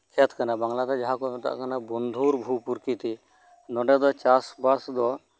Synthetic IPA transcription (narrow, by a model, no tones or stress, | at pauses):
kʰɛt̪ʰkanabaŋlat̪ɔd͡ʒaɦakɔnɔt̪a̰ʔkanabɔnd̪ʱuɾbʱupuɾkit̪i | nɔɖɛd̪ɔt͡ʃasbaɽsd̪ɔ